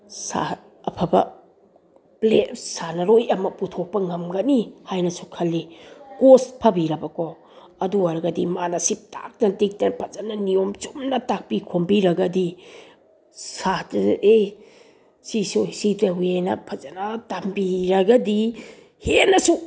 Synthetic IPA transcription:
sa̰ | ɐpʰɐbɐ̰ | plesanɐɾojɐmɐputʰok̚pɐŋɐmɡɐnihajnɐsukʰɐlːikospʰɐbiɾɐbɐkɔ | ɐduaɾɡɐdimanɐsip̚ta̰k̚nɐtik̚tɐpʰɐzanɐnijomt͡ʃumnɐtak̚pikʰombiɾɐɡɐdi | sate | sisojsitewenɐ̰pʰɐzanɐtambiɾɐɡɐdi | henɐsu

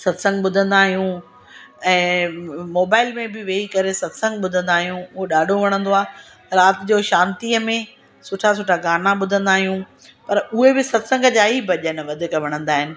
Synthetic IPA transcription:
sɐd̪sə̃ŋɡɓʊd̪ʱə̃nd̪aːɦijũ | ɛ̃ːmoːbaːɪlmẽbɪʋeːikɐɾesɐd̪sə̃ŋɡɓʊd̪ʱə̃nd̪aːɦijũʊɦoɗaːɖʱoʋɐɽ̃ə̃nd̪oaː | ɾaːt̪ɪd͡ʑoːʃãːnt̪iːəmẽ | sʊʈʰas̬ʊʈʰaɡaːnaɓʊd̪ʱə̃nd̪aːɦijũ | pɐɾʊɦebɪsɐd̪sə̃ŋɡəd͡ʑaːibʱɐʄənɪʋɐd̪ʱɪkʋɐɽ̃ə̃nd̪aːɦɪnɪ̆

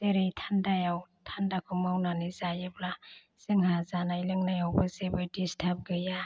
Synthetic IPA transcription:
teɾejtʰandajawtʰandakʰɯmawnanizajebla | seŋhazanajlɯŋnajawbɯzebɯjdistʰap̚ɡɯja

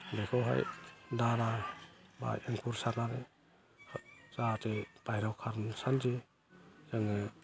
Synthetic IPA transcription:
bejkʰɔɦa̰jdaɾaba̰jeŋpʰuɾsaɾnaɾe | zatʰepajɾawkʰaɾnsand͡ʒi | zɯŋɯ

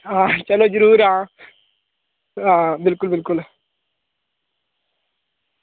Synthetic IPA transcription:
ãːt͡ʃɐlod͡ʒɐɾuːɾãː | ãːbɪlkʊlbɪlkʊl

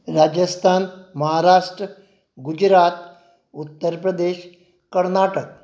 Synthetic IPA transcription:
ɾad͡ʑəst̪ʰanməɦaɾaʂʈɾə | ɡud͡ʑɾat̪ | ut̪ːəɾpɾəd̪eɕ | kəɾnaʈək̚

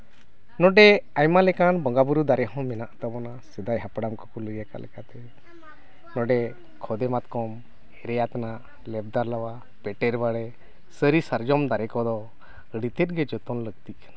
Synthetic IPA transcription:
nɔɖɛajmalɛkanbɔŋɡabuɾud̪aɾɛɦɔ̃mɛnaʔt̪əbɔnasɛd̪ajɦapɽamkɔkɔləjaka̰lɛ̰kat̪ɛ | nɔɖɛ | kʰɔd̪ɛmat̪kɔm | ɛɾɛjat̪anaʔ | lɛb̚d̪aɾlawa | pɛʈɛɾbaɽɛ | səɾisəɾd͡ʒɔmd̪aɾɛkɔd̪ɔ | əɽit̪ɛt̪̚ɡɛd͡ʒɔt̪ɔnləɡt̪ikḁna

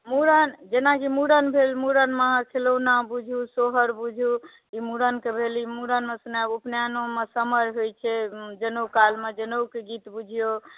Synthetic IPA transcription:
muɾənd͡ʒenakimuɾənbʱelmuɾənmakʰelownabud͡ʒʱusoɦəɾbud͡ʒʱu | imuɾənkebʱelimuɾənmesnaupnjanomesəməɾɦojt͡ʃʰɛd͡ʒenokalmed͡ʒenokeɡit̪bud͡ʒʱijo

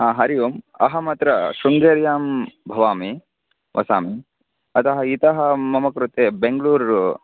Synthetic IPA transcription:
aɦɐɾijuːm | ɐ̰ɦɐmɐt̪ɾɐʃuŋɡeːɾjaːmbʱɐʋaːmi | ʋʔɐsaːmi | ɐt̪ɐɦɐit̪ɐɦɐmɐmɐkɾut̪eːbeŋɡluːɾ

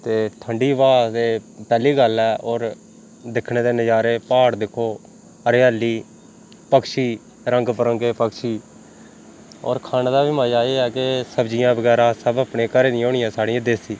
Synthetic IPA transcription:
t̪eːʈʰəɳɖiːʋaːt̪eːpɛːliːɡəlɛːɔːɾ | d̪ɪkʰneːd̪eːnəd͡ʒaːɾeːpaːɽd̪ɪkʰːoː | əɾeaːlːiː | pəkʃiː | ɾəŋɡpəɾəŋɡeːpəkʃiː | ɔ̰ːɾkʰaːneːd̪aːʋɪmãːd͡ʒaːeːɛːkesəbd͡ʒɪjãːbəɡɛːɾãːsəbaːpɳeːkəɾeːniːoːɽɪjãːsaːɽɪ̃ːãːd̪eːsiː

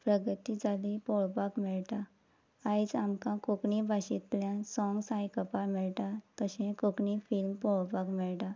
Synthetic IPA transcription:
pɾəɡət̪id͡zalipɔɭbakmɛɭʈa | ajd͡zamkãkokɳibʱaɕit̪ljãsɔ̃ŋɡsajkəpamɛɭt̪at̪əɕẽkokɳifilmpɔɭbakmɛɭʈa

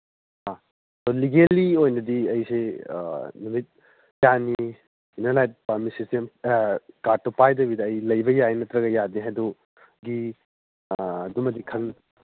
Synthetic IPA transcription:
a | toliɡeliojnɐdiɐjsḛ | numit̚ | jani | inelajt̚paɾmisistem | kaɾtopajdɐbidɐːjlɐjbɐjajnɐtɾɐɡɐjadiɦadu | ɡi | dumɐdikʰɐn

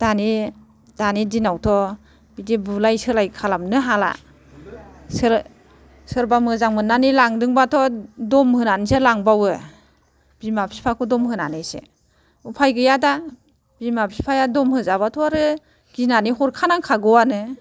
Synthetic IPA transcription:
d̥ani | d̥anidinawtʰɔ | bidibulajsɯlajkʰalamnɯɦala̰ | sɯɾ | sɯɾbamɯzaŋmɯnːanilaŋdɯŋbatʰɔdɔmhɯnaniselaŋbawɯ | b̥imapʰi̥pʰakʰɔdɔmhɯna̰nɯsḛ | upʰajɡɯjada | b̥imapʰipʰajadɔmhɯzabatʰɔaɾɯ | ɡ̥inanihɔɾkʰanaŋkʰaɡɔwanɯ

